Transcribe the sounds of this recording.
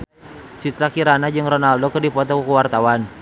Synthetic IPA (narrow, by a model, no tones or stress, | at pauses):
t͡ʃit̪ɾakiɾanad͡ʒɨŋrɔnaldɔkɨrdipɔt̪ɔkəkəwart̪awan